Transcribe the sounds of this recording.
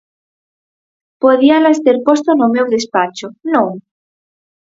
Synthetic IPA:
poðialaest̪eɾpost̪onomewðespat͡ʃonõŋ

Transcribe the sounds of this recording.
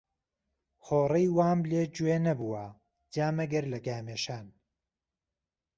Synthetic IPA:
xoːrɐjwaːmleːd͡ʒueːnɐbuwɐ | d͡ʒaːmɐɡɐɾlɐɡaːmeːʃaːn

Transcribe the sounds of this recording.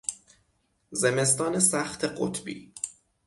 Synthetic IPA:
zeme̞st̪ɒːne̞sæxt̪ʰeɢo̰t̪ʰbḭː

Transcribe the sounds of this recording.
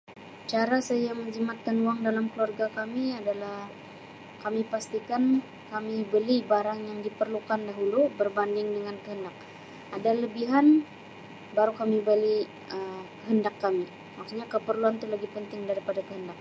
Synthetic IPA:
t͡ʃaɾasajaməɲd͡ʒimat̪̚kanuaŋdalamkəluarɡakamiadalah | kamipast̪ikan | kamibəlibaɾaŋjaŋdipərlukandaɦulubərbandɪŋdəŋankəɦəndak̚ | adaləbiɦan | baɾukamibəli | əmkəɦəndakːami | makaɲakəpərluant̪ulaɡipənt̪ɪŋdaɾipadakəɦəndak̚

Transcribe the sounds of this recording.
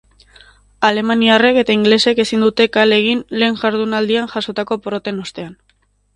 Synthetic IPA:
ale̞maniare̞ke̞t̪aiŋɡle̞se̞ke̞sind̪ut̪e̞kale̞ɣ̞inle̞ːŋʝaɾð̞unald̪ianʝaso̞t̪ako̞poɾo̞t̪e̞no̞st̪e̞an

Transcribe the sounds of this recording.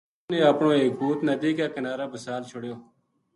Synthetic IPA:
nẽːəpɳõːeːk̚buːt̪nəd̪iːkaːkənaːɾaːbəsaːlt͡ʃʰʊɽjoː

